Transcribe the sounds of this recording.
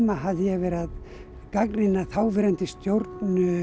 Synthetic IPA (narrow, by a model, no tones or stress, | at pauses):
maɦavðɪjɛvɛːɾað | kaknɪnːaθaːwvɪɾɛnt̪ɪst̪jowɾt̪nʏ